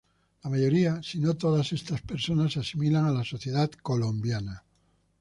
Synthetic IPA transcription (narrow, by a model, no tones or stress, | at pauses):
lamaʝo̞ɾiasino̞t̪o̞ðase̞st̪aspe̞ɾso̞nasasimilaŋalaso̞θje̞ð̞at̪ko̞lõ̞mbjana